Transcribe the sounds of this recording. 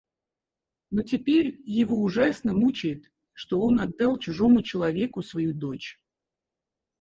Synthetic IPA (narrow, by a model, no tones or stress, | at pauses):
notʲɪpʲeɾʲjɪvo̞ʊʐasnəmut͡ɕɪjɪt̪ | ʂt̪o̞o̞nɐd̪ːɑlˠt͡ɕʊʐo̞mʊt͡ɕɪlˠɐvʲe̞kʊsvɐjud̪o̞t͡ɕ